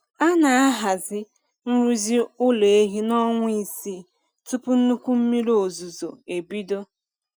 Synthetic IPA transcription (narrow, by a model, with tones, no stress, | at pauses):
a˦na˨a˦ɦa˨zɪ˦ | n̩˦ɾu˦zi˦ʊ˦le˨e˦ɦi˦nɔ˦ŋʷʊ˦i˨si˦˨ | tʊ˦pʊ˦n̩˦nu˦kʷu˦m̩˦mi˦ɾo˨zu˨zo˨e˨bi˦do˦